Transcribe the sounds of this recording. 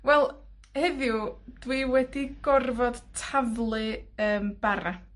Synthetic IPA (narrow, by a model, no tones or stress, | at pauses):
wɛlˠ | hɛðjud̥wiwɛdiɡ̥ɔrvɔd̥tʰavlˠɨəːmb̥aɾa